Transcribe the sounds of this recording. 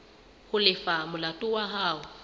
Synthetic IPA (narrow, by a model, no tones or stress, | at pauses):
hʊlɪfamʊlatʼʊwaɦaːʊ